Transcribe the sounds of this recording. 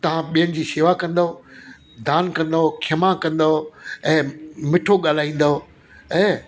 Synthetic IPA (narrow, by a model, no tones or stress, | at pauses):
t̪ɐʋ̤ãɓijənɪ̆d͡ʑiːseːʋakɐ̃nd̪ɦo | d̪aːnkɐ̃nd̪ookʰɐmãkɐ̃nd̪ɦoɛ̃ːmɪʈʰoɠaːl̤aːĩːn̆d̪oo | ɛ̃ː